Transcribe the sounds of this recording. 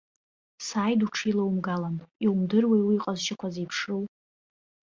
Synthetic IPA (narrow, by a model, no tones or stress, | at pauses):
saːjduʈ͡ʂʰilawmɡalaniwmdɨrwejwiiqʼazʃɪkʷʰazipʰʂɨw